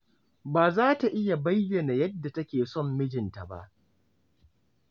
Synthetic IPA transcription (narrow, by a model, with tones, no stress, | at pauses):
baː˨zaː˦ta˨ʔɪ˦ja˨ba˦jjɛ˨na˨jɐ˦dːa˨tɐ˦kʲeː˨sɔ˦mːɪ˦d͡ʒɪ˨nta˨ba̰˦ʔ